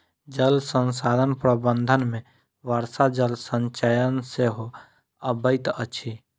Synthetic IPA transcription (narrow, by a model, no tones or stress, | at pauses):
d͡ʒəlsə̃nsaːd̪ʱənpɾəbə̃nd̪ʱənmẽ | ʋaːɾsad͡ʒəlsə̃ɲt͡ʃajənseɦo | əbəɪt̪ət͡ʃʰi